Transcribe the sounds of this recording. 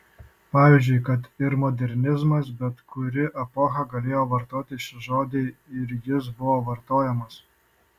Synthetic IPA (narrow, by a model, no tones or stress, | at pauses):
pɑːʋʲiːzʲd͡ʒʲʊɪkɐt̪ɪɾmɔːd̪ʲɛɾʲnʲɪzmɐsbʲɛt̪kʰʊɾʲɪʔɐpɔxɐɡɐlʲeːjoːʋɐɾt̪oːt̪ʲɪʃʲɪʒoːd̪ʲeɪɪɾjɪs̬bʊʋoːʋɐɾt̪oːjɛmɐs